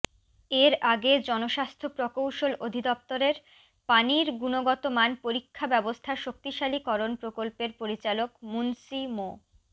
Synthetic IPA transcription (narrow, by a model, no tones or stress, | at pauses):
eɾaɡed͡ʑɔnoʃast̪ʰopɾokowʃolod̪ʱid̪ɔp̚t̪oɾeɾ | paniɾɡunoɡɔt̪omanpoɾikʰːabɛbost̪ʰaʃok̚t̪iʃalikɔɾonpɾokolpeɾpoɾit͡ɕalokmunsimo